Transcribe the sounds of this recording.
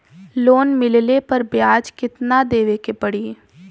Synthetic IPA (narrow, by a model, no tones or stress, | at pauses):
loːnmɪllepɐɾbjaːd͡ʒkɪt̪nad̪eːʋekepɐɽiː